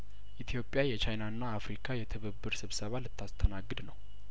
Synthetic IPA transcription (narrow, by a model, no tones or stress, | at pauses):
ʔit̪ʰjo̞pʼjajɛt͡ʃajnaɨnːaːfɾikʰajɛt̪ʰɨβəbːɨɾsɨβsəβalɨt̪ʰːast̪ʰənaɡːɨd̪nəw